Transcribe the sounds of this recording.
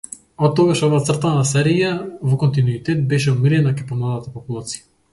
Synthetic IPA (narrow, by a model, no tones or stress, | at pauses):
ɔt̪ːɔɡaʃɔvaːt̪sr̩t̪anasɛɾijavɔkɔnt̪inuit̪ɛt̪̚bɛʃɛumiɾɛnakajpɔmlˠad̪at̪apɔpulˠat̪si̥ja